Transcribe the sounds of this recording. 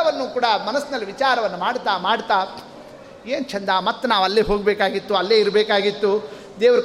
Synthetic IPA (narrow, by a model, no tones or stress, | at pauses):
ɐʋɐnːuːkuːɽɐmɐnɐsːinɐlːiʋit͡ʃaːɾɐʋɐnːumaːɽt̪aːmaːɽt̪aː | eːnt͡ʃʰɐnd̪aːmɐt̪ːɐnaːʋɐlːeːɦo̞ːɡbeːkaːɡit̪ːuɐlːeːiɾbeːkaːɡit̪ːu | d̪eːʋɐɾi